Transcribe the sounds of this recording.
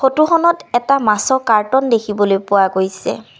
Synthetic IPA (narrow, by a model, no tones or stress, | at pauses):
xotuxɔnɔtɛtamasɔkaɹtɔndekʰibɔlojpʊwaɡojsɛ̰